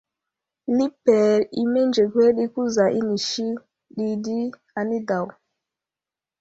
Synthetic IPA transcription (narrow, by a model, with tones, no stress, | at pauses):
li˦pːɛ˨ɾi˨me˦nd͡ʒe˨kwe˦ɗi˦ku˦za˨ʔi˦ni˨ʃi˦ | ɗi˦di˦ | a˨ni˦da˨w